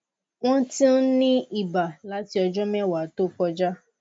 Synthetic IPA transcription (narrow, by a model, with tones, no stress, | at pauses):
w̃ɔ̃˦tĩ˦n̩˦nĩ˦i˦˨ba˨la˨˦ti˦ɔ˧d͡ʒɔ˦mɛ˦˨wa˨to˦kɔ˧d͡ʒa˦